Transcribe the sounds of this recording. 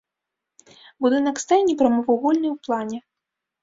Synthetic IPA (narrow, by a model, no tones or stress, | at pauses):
bud̪ɨnɐkst̪ajʲnʲipɾɐmɔvɐɣɔlʲnɨjwplˠanʲɛ